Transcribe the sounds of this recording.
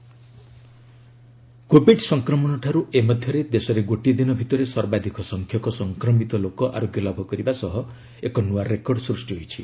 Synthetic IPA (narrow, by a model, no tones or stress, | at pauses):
kobeʈsɔŋkɾɔmɔnɔʈʰaɾuʔemɔd̪ʱjɔɾed̪esɔɾeɡoʈid̪inɔbʱit̪ɔɾesɔɾbad̪ʱikʰɔsɔŋkʰjɔkɔsɔŋkɾɔmit̪ɔlokɔʔa̰ɾoɡjɔlɔbʱɔkɔɾibasɔɦɔ | ekɔnuaɾekɔɾɖsɾusʈiɦojt͡ʃʰi